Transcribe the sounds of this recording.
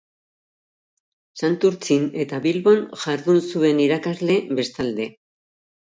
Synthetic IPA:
sant̪uɾt͡sine̞t̪aβilβo̞nʝaɾðunsue̞niɾakazle̞be̞st̪ald̪e̞

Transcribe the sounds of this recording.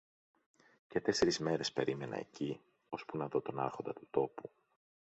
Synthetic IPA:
ce̞t̪e̞se̞ɾizme̞ɾe̞spe̞ɾime̞nɐ̰ḛci | ospunɐðo̞t̪o̞nɐ̰ɾxo̞nd̪ɐt̪u̥t̪o̞pu

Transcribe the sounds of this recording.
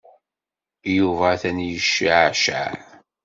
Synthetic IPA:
juvæθænjəʃːʕʃa̰

